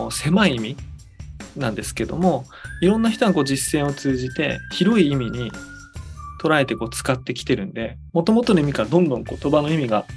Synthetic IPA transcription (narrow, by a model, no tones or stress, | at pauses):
se̞maiimʲi | nãnd̪e̞sɨ̥ke̞d̪o̞̰mo̞ | iɾõ̞nːaçi̥t̪o̞ɡako̞ːd͡ʑisːẽ̞ɰ̃o̞t͡sɨːʑit̪e̞̰çiɾo̞iːmʲiɲ̟i | t̪o̞ɾae̞t̪e̞ko̞ːt͡sɨ̥kat̪ːe̞kʲi̥t̪e̞ɾɯ̟̃nd̪e̞ | mo̞t̪o̞mo̞t̪o̞noimʲikaɾad̪õ̞nd̪õ̞ŋko̞t̪o̞bano̞imʲiɡa